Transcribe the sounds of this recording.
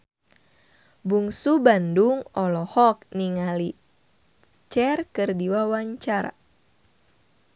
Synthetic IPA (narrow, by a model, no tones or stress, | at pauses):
buŋsubanduŋɔlɔhɔk̚niŋali | t͡ʃɛrkɨrdiwawaɲt͡ʃaɾa̰